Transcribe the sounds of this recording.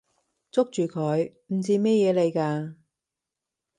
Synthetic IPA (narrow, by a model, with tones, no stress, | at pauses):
t͡sʊ˥k̚t͡ʃyː˨˩kʰœː˨˧j | m̩˨˩t͡siː˧mɛː˥jɛː˨˧le˨jkaː˧